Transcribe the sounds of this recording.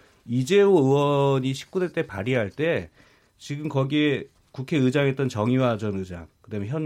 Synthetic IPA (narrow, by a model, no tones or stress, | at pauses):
id͡ʑe̞oɯwʌɲiɕʰi̥k̚k͈udet͈e̞paɾiɦaɭt͈e̞ | t͡ɕiɡɯmkʌɡie | kukʰe̞ɯd͡ʑaŋe̞t͈̚ʌnt͡ɕʌŋiwad͡ʑʌnɯd͡ʑa̰ŋkɯdamjeçjʌn